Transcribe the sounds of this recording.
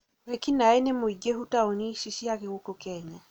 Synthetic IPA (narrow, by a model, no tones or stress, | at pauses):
ɾekinaenemoiɡehutaoniʃiʃiaɣeɣokokɛɲa